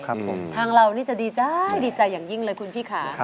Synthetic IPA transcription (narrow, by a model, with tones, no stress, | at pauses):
kʰa˦˧˨mt̪ʰaː˧ŋɾa˧wniː˥˩t͡ɕa˨˩diː˧t͡ɕa˧jdiː˧t͡ɕa˧jːaː˨˩ŋji˥˩ŋlɤː˧jkʰu˧npʰiː˥˩kʰaː˩˦